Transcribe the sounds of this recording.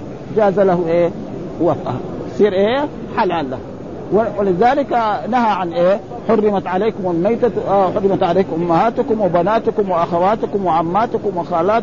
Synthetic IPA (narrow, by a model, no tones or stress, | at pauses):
d͡ʒaːzalahuʔeː | wafʔa̰hasiːɾʔeː | ħalaːlːa | wwalɪzaːlikanaɦaʕanʔeː | ħʊrːɪmat̪ʕaleːkumalmajt̪aħʊrːɪmat̪ʕaleːkʔʊmːahaːt̪ukumwɪbanaːt̪ukumwɪʔaxawaːt̪kumwɪʔamːaːt̪ukumwaxaːlaː